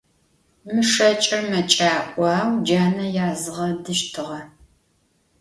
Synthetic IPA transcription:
mɨʂɐt͡ʃʼɐrmɐt͡ʃʼaːʔʷʼɑːwd͡ʒaːnɐjaːzɨʁɐdɨʃtʰɨʁɐ

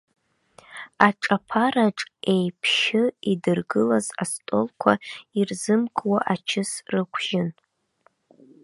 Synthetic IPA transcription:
aʈ͡ʂʼapʰaɾaʈ͡ʂʼe̞jpʰʃɪidɨrɡɨlaza̰stʼo̞lkʷʰa̰irzɨmkʼwaʔat͡ʃʰɪsrɨkʷʰʒ̥ɪn

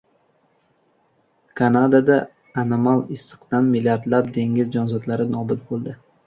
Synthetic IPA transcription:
kʰanad̪ad̪aː | nomalˠɪsːɨ̥qt̪anmilʲjaɾd̪lap̚d̪e̞ŋʲɪzd͡ʒɒnzɒd̪laɾɪnɒbʊt̪̚bolˠd̪ɪ

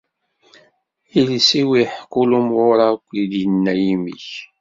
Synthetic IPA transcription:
ilsiwiħkʊlumʁʊɾakʷːid̪jənːæjimḭç

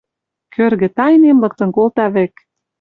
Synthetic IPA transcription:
kʰørɣɘ̆t̪ɑjnemlɤ̆k̚t̪ɤ̆nkolt̪ɑβĕk

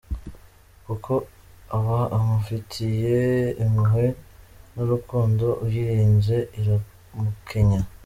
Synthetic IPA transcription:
kukʰo̞ | aβaamufitʰijeːmuɦe̞nuɾukuːndo̞ʔujiɾiːnze̞iɾu | mukʰe̞ɲa

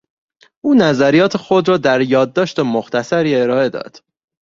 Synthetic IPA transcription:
ʔuːnæzæɾijɒːt̪ʰe̞xod̪ɾɒːd̪æɾjɒːd̪ːɒːʃt̪emoxt̪ʰæsæɾiːe̞ɾɒːe̞d̪ɒ̰ːd̪̥

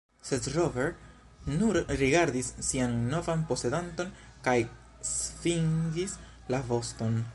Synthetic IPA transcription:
sedɾoveɾ | nuɾɾiɡaɾdisːianːo̞vanpo̞se̞danto̞nkaj | sfiŋɡis | lavo̞sto̞n

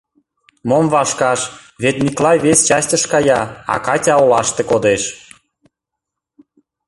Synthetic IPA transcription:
momvɑʃkɑʃβet̪nʲiklɑjβest͡ɕɑstʲə̆ʃkɑjɑɑ̰kɑtʲɑolɑʃt̪ekod̪eʃ

